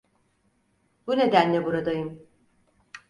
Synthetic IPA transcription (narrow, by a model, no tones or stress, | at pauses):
bune̞d̪ænlʲɛbuɾad̪ajɯm